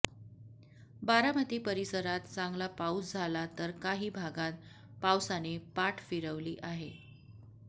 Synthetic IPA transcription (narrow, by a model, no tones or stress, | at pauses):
baɾamət̪iːpəɾisəɾat̪t͡saŋɡlapausd͡zʱalat̪əɾkaɦiːbʱaɡat̪ | pawsanepaʈʰfiɾəʋliːʔaɦe